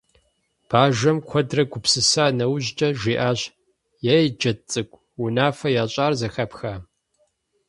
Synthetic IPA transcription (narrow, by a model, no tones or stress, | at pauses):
b̥aːʒʷɐmkʷʰɔdrɐɡʷʊpsɨsaːnɐwʑt͡ʃʼɐʒiːʔaːɕ | jaːjd͡ʒɐt͡sʼɨkʷʼ | wʊnaːfɐjaːɕʼaːrzɐxɐpxaː